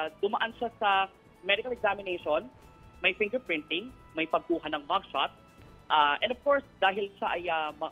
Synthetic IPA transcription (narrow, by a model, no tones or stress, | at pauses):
d̪ʊmɐʔanʃasɐ | mɛd̪ɪkɐlɛɡzamɪnejʃon | mɐjfɪŋɡɛɹpɹɪnt̪ɪŋ | mɐjpɐɡ̚kuːɦɐnɐŋmaɡ̚ʃat̪̚ | ʔaʔɛ̰nd̪ov̥koɹsd̪aːɦɪlʃaʔɐjamɐ